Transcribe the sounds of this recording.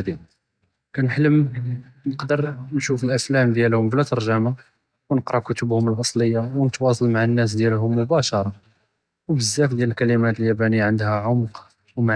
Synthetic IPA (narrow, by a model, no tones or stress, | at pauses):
d̪i | kænħləm | nəqd̪əɾnʃufəlʔæflæmd̪jælhʊmflæt̪ɑɾˤʒæma | wnəqɾˤɑkʊt̪ʊbhʊməlʔɑsˤləjːawnət̪wɑs̬ˤɑlmaʕanːæs̬d̪jælɦʊmːʊbæʃɑɾˤɑ | wbəzːæfd̪jæləlkælimæt̪əljæbænijːʕənd̪hæʕʊmq | wmʕ